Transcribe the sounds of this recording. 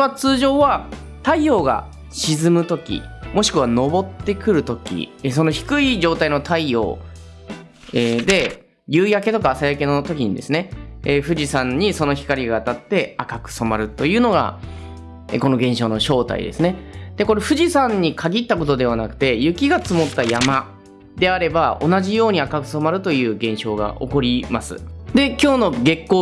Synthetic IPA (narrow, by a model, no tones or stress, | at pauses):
βat͡sɨːʑo̞ːβa | t̪aio̞ːɡa̰ | ɕizɨmɯ̟t̪o̞kʲḭmo̞ɕi̥kɯ̟β̞ano̞bo̞t̪ːe̞kɯ̟ɾɯ̟t̪o̞kʲḭes̬o̞no̞çi̥kɯ̟id͡ʑo̞ːt̪aino̞t̪aio̞̰ː | ed̪e̞ | jɯːjake̞t̪o̞kaːsajake̞no̞t̪o̞kʲiɲ̟id̪e̞sɨne̞ɸɯ̟ʑisãɲ̟ːiso̞no̞çi̥kaɾʲiɡaːt̪at̪ːe̞akakɯ̟̥so̞maɾɯ̟t̪o̞jɯ̟ːno̞ɡa̰ | ḛko̞no̞ɡẽ̞ɰ̃ɕo̞ːnoɕo̞ːt̪a̰ḭd̪e̞sɨne̞d̪̥e̞ko̞ɾe̞ɸɯ̟ʑisãɲ̟ːikʰaɡʲit̪ːako̞t̪o̞d̪e̞β̞anakɯ̟̥t̪e̞jɯ̟kʲiɡat͡sɨmo̞t̪ːajama | d̪e̞aɾe̞bao̞̰naʑijo̞ːɲ̟iakakɯ̟̥so̞maɾɯ̟t̪o̞jɯ̟ːɡẽ̞ɰ̃ɕo̞ːɡa̰ʔo̞̰ko̞ɾʲimasɨ̰d̪e̞kʲo̞ːno̞ɡe̞kːoː